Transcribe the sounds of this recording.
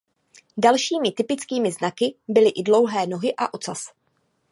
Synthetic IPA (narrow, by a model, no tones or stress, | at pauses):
dalʃiːmɪt̪ɪpɪt͡skiːmɪznakɪbɪlɪʔɪdlo̞wɦɛːno̞ɦɪʔa̰ʔo̞t͡sas